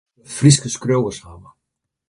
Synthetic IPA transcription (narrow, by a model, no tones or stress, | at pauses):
friskəskrowəshawə